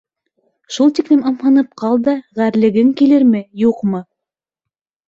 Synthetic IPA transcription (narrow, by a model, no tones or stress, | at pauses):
ʃulˠt̪iklɘmɑmhɑnɤp̚qɑlˠd̪ɑʁæɾlɘ̆ɡɘŋkilɘɾmɘjuqmɤ